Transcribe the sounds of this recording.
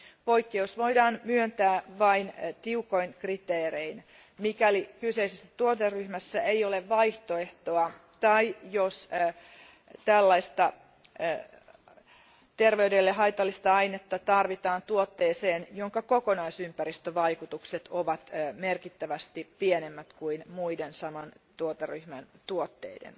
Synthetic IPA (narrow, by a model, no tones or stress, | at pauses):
po̞ikːeosʋoidɑːnmyønt̪æːʋɑint̪iukoinkrit̪eːrein | mikælikyseisesːæt̪uot̪erːyhmæsːæeioleʋʋɑiht̪oe̞ht̪oɑ | t̪ɑijos | t̪ælːɑist̪ɑ | t̪erʋeydelːeɦɑit̪ɑlːist̪ɑɑinet̪ːɑt̪ɑrʋit̪ɑːnt̪uot̪ːeːseːnjoŋkɑkokonɑisympæɾist̪øʋɑikut̪ukset̪oʋɑt̪merkit̪ːæʋæst̪ipienemːæt̪kuinmuidensɑmɑnt̪uot̪eryhmænt̪uot̪ːḛidḛn